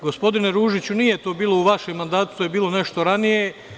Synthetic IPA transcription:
ɡo̞spo̞d̪ineɾuːʒit͡ɕunije̞t̪o̞ːbiːlˠouʋaʃemːand̪aːt̪u̥t̪ojebiːlˠo̞ne̞ʃt̪o̞ɾanije̞

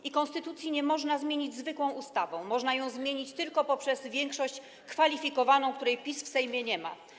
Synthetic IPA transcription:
ʔikɔ̃nst̪ɘt̪ut̪sʲjiɲɛmɔʐnazmʲjeɲid͡ʑzvɘkwɔ̃w̃ust̪avɔ̃w̃mɔʐnajɔ̃w̃zmʲjeɲit͡ɕt̪ɘlkɔpɔpʂɛzvʲjɛŋkʂɔɕt͡ɕ | kfalʲifʲikɔvanɔ̃w̃kt̪uɾɛjpʲisfsɛjmʲjɛɲɛma̰

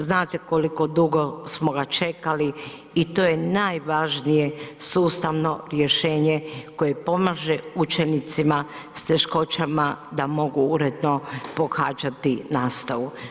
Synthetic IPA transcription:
znaːt̪ekoliko̞d̪uɡo̞smoɡat͡ʃe̞kaliː | t̪oːje̞naːjʋaʒnije̞suːst̪aʋno̞ɾje̞ʃe̞ːɲeko̞je̞po̞maːʒeut͡ʃe̞nit̪sima | st̪e̞ʃko̞t͡ʃamad̪amo̞ɡuuɾed̪no̞po̞xaːd͡ʒat̪inaːst̪aʋu

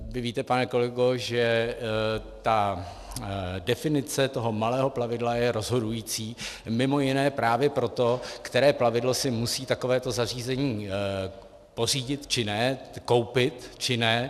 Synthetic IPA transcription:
vɪviːt̪ɛpanɛko̞lɛɡoʒɛ | t̪a | dɛfɪnɪt͡sɛt̪o̞ɦo̞malɛːɦo̞plavɪdlajɛɾo̞zɦo̞dujiːt͡siːmɪmo̞jɪnɛːpɾaːvjɛpɾo̞t̪o̞kt̪ɛɾɛːplavɪdlo̞sɪmusiːt̪akovɛːt̪o̞zar̝iːzɛɲiː | po̞r̝iːɟɪt̪t͡ʃɪnɛko̞wpɪt̪t͡ʃɪnɛ

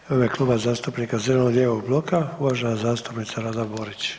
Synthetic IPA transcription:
oʋjeklˠuːbazaːst̪upnikazelenod̪jeʋoɡ̚blˠokauʋaʒenazaːst̪upnit̪saɾad̪abo̞ɾit͡ɕ

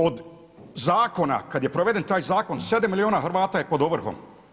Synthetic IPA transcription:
od̪ | zaːko̞na̰kad̪je̞pɾoʋe̞d̪e̞nt̪aːjzaːko̞nsed̪amːilioːnaxrɾʋaːt̪ajepo̞d̪oʋr̩xo̰m

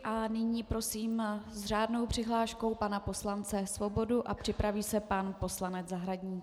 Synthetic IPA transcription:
ʔanɪɲiːpɾo̞siːmzraːdno̞wpr̥ɪɦlaːʃko̞wpanapo̞slant͡sɛsvo̞bo̞duʔapr̥ɪpɾaviːsɛpanpo̞slanɛd͡zzaɦɾaɟɲiː

